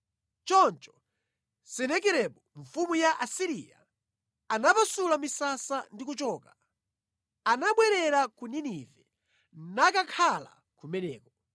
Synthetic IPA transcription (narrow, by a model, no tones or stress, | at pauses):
t͡ʃɔnt͡ʃɔ̥ | sɛnɛk̬ɛɾɛɓɔɱfumujaʔasiɾija̰ | anapasulamisasandikut͡ʃɔːka | anaɓwɛɾɛɾakuninivɛ | nakakʰala̰ | kumɛnɛːkɔ